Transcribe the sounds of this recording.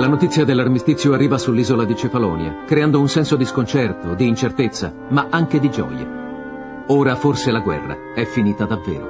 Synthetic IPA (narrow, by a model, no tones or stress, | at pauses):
lanot̪it̪sːjad̪elːarmist̪it̪sːjoarːiːvasulːiːzolad̪it͡ʃefalɔːnja̰kɾeand̪ounsɛnsod̪iskont͡ʃɛrt̪od̪iːnt͡ʃert̪et̪sːa̰ | maʔaŋk̟ed̪id͡ʒɔ̰ːja̰ | oːɾaforselaɡwɛ̰rːa̰ | ɛfːiniːt̪ad̪avːḛːɾo̰